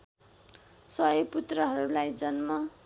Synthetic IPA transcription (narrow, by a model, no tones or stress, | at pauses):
sʌʌput̪rʌɦʌɾulajd͡zʌnmʌ